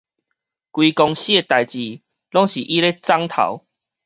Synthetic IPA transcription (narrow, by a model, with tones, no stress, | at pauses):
kwiː˧kɔ˧ŋɕi˦e˧t̪a˨˩jt͡ɕi˨˩ | lɔ˦ŋɕi˨ʔi˦le˦t͡sa˦ŋt̪ʰa̰˨˩˦w